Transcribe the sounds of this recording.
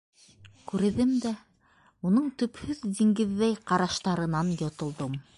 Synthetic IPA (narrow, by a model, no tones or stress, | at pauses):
kʉɾɘ̆ðɘmd̪æ | unɤɴt̪ɵ̆phɵðd̪iŋɡɘ̆ðːæjqɑɾɑʃt̪ɑɾɤ̆nɑnjŏt̪ŏlˠd̪ɤm